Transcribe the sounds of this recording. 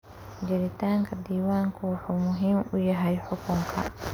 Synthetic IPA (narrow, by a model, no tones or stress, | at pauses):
d͡ʒɛɾit̪aːŋkad̪iːwaːŋkuħumʊɦimujaɦajħʊkuŋkʰa̰